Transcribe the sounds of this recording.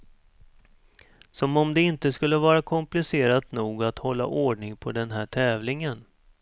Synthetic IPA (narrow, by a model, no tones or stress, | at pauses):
sɔmɔmd̪ɛɪnt̪əskɵlːəvɑːɾakʰɔmplɪseːɾat̪nuːɡat̪hɔlːa̰ʔoːɖɳɪŋpʰɔd̪ɛnɦæːʈʰɛːvlɪŋən